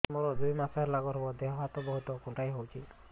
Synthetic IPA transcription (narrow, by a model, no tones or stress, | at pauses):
mɔɾɔd̪ujmaseɾlaɡɔɾɦɔbɔd̪eɦɔɦat̪ɔbɔɦut̪ɔkunʈajɦowt͡ʃʰi